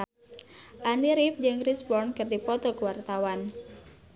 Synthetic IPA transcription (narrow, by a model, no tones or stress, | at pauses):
ʔaniɾifd͡ʒɨŋrisbɔrnkɨrdipɔt̪ɔkəwart̪awan